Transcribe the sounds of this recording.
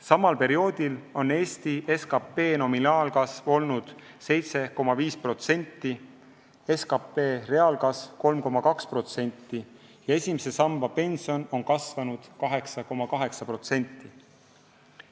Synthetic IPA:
sɑmɑlpe̞ɾio̞ːd̪̥ʲilo̞ne̞ːsʲt̪ie̞skɑpːˑe̞ːno̞minɑːlkɑsvo̞lnud̪̥ | se̞jt̪se̞ko̞mːɑviːspro̞t̪se̞nʲt̪ˑːi | e̞skɑpːe̞ːre̞ɑlkɑsvko̞lmko̞mːɑkɑkspro̞t̪se̞nʲt̪ˑːijɑe̞sʲimese̞sɑmbɑpe̞nsio̞no̞nkɑsvɑnud̪̥kɑɦe̞ksɑko̞mːɑkɑɦe̞ksɑpro̞t̪se̞nʲt̪ːˑi

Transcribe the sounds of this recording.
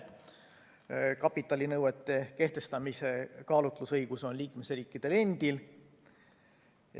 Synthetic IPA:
kɑpːˑit̪ːˑɑlʲinɤwet̪ˑːe̞ke̞ht̪e̞st̪ɑmise̞kɑːlut̪ˑlusɤjɡ̥uso̞nliːkme̞sriːkːˑid̪̥e̞le̞nd̪̥il

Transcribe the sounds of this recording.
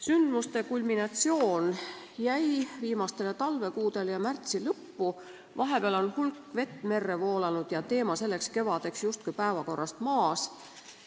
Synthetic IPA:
synd̪must̪e̞kulʲminɑt̪sio̞ːn | jæjviːmɑst̪e̞let̪ɑlve̞kuːd̪̥e̞ljɑmært̪silɤpːu | vɑɦe̞peɑlo̞nhulkːve̞t̪ːˑme̞rːe̞vo̞ːlɑnud̪̥jɑt̪e̞ːmɑse̞lːe̞kske̞vɑd̪̥e̞ksjust̪̚kujpæevɑko̞rːɑst̪mɑːs

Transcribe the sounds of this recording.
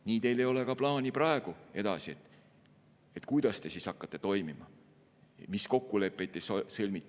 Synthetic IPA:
niːt̪e̞jle̞jo̞le̞kɑplɑːnʲiprɑe̞ɡ̥ue̞d̪̥ɑsiet̪ːˑ | et̪kujd̪̥ɑst̪e̞sisɑkːɑt̪ːˑe̞t̪o̞jmimɑ | misko̞kːule̞pːˑet̪ːˑessɤlʲmit̪ːˑ

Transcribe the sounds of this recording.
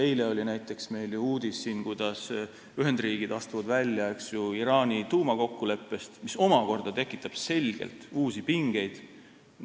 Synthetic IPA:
e̞jle̞o̞lʲinæjt̪ːˑe̞ksme̞jljuuːd̪̥isːiːnkujd̪̥ɑs | yɦend̪riːɡ̥id̪̥ɑst̪uvɑd̪vælʲjɑe̞ksjuiɾɑːnʲit̪uːmɑko̞kːule̞pːe̞st̪miso̞mɑko̞rd̪̥ɑt̪e̞kːˑit̪ːˑɑb̥se̞lʲɡ̥ḛlt̪uːsipiŋɡ̥e̞jd̪̥

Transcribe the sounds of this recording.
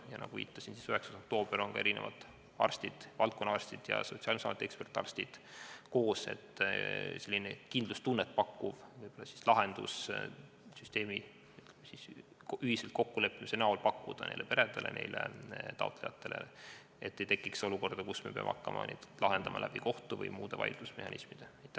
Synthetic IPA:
jɑnɑ̰ɡ̥uvḭːt̪ːˑɑ̥sinsi̥syheksɑso̞k̚t̪o̞ːb̥eɾo̞nkɑe̞ɾinevɑ̰d̪̥ | ɑ̰rst̪id̪̥vɑlt̪̚ko̞nːɑɑrst̪id̪̥jɑ̰so̞tsiɑːlmisɑmet̪ːekspe̞rt̪ːˑɑ̰rst̪id̪̥ko̞ːse̞̰t̪ːselʲːinekind̪lust̪unːet̪̚ːpɑkːuvvɯjb̥o̞lːɑsi̥slɑɦe̞nd̪̥ṵs | syst̪e̞ːmi | sis | yhiselt̪ko̞kːule̞pːimisenɑolpɑkːud̪̥ɑnejlepe̞ɾed̪̥elʔḛne̞̰jlʔḛt̪ɑ̰ot̪ˑle̞jɑt̪ːe̞lḛ | et̪ːejt̪ekːˑikso̞luko̞rd̪̥ɑkusme̞peɑ̰mʔɑkːɑmʔɑ̰nḛd̪̥lɑɦe̞nd̪ɑmɑ̰læ̰b̥iko̞ht̪uvɤ̰jmuːd̪̥e̞vɑ̰jld̪̥usme̞hɑnismid̪̥eɑjt̪ːæ

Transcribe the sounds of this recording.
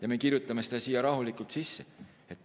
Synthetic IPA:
jɑme̞kirjut̪ˑːɑme̞sed̪æsiːjɑɾɑɦulikult̪sisːe | e̞t̪

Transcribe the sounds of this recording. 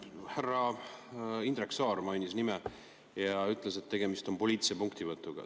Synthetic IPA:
hærːɑ | ind̪ɾeksɑːɾmɑjnʲisnime | jɑyt̪ˑle̞set̪ːe̞ɡ̥e̞mist̪o̞mpo̞lʲiːt̪siepuŋkt̪ivɤt̪ːˑuɡ̥ɑ̰

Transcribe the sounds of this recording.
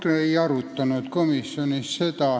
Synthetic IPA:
t̪eijɑrut̪ːɑnuet̪komisːionisset̪ɑː

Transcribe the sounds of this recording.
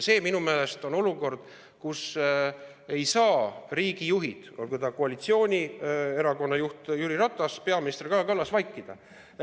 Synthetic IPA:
se̞ːminumeːle̞st̪o̞no̞luko̞rd̪̥ | kus | e̞jsɑːriːɡ̥ijuɦid̪̥olkud̪ɑkoɑlit̪sio̞ːnʲie̞ɾɑko̞nːɑjuht̪jyːɾiɾɑt̪ːˑɑspe̞ɑminist̪rikɑːkɑlːɑsvɑjkːˑid̪̥ɑ

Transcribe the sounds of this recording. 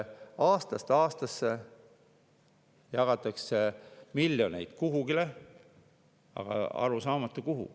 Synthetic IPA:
ɑːst̪ɑst̪ɑːst̪ɑsːe̞ | jɑɡ̥ɑt̪ːˑɑksemiljone̞jd̪̥kuɦuɡile | ɑ̰ɡ̥ɑ̰ɑ̰ɾusɑːmɑt̪ˑːukuɦṵ

